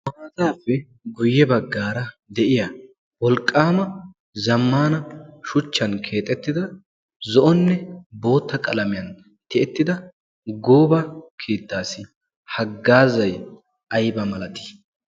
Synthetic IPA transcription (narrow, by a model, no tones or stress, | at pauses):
mɐaːzaːfːɛ | ɡʊjːɛbɐɡːaːɾɐ | d̪ɛʔɪjɐ | wɔlkʼːaːmɐ | zɐmːaːnɐʃʊt͡ʃːɐnkʰe̞ːt̪ʼɛt̪ːɪd̪ɐ | zɔʔɔnːɛbo̞ːt̪ːɐkʼɐlɐmɪjɐn | t̪ɪɛt̪ːɪd̪ɐ | ɡoːbɐkʰeːt̪ːaːsɪ | hɐɡːaːzɐj | ʔɐjbɐmɐlɐt̪ɪ̥